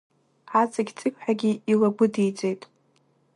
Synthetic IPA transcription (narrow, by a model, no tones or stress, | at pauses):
ʕat͡sʼaɡʲt͡sʼɨkʲʷʼħaɡʲiilaɡʷʊdijt͡sʼejtʼ